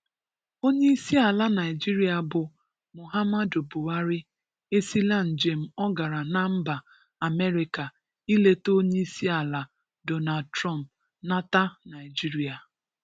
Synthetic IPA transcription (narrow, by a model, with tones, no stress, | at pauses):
o˦ɲe˦i˦si˦a˨la˦na˨ɪ˨d͡ʒi˦ɾi˦a˨bʊ˨ | mʊ˨ɦa˦ma˦do˨bʊ˨wa˦ɾɪ˦ | e˦si˦la˦n̩˨d͡ʒe˨m̩˦ɔ˦ɡa˨ɾa˨na˦m̩˦ba˨ | a˨me˦ɾi˦ka˨ | i˦le˦to˦ɲe˦i˦si˦a˨la˨ | do˦na˨dtɾɔ˦m˨p̚ | na˦ta˦na˨ɪ˨d͡ʒi˦ɾi˨a˨